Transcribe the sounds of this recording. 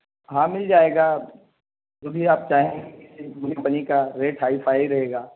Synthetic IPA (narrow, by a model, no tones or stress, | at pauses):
ɦãːmɪld͡ʒaːeːɡaː | d͡ʒoːbʱiaːp̚t͡ʃaːɦẽɡeɪsebuːɾjapɐnikaɾeːʈɦaːɪfʰaːiɾɐɦeːɡaː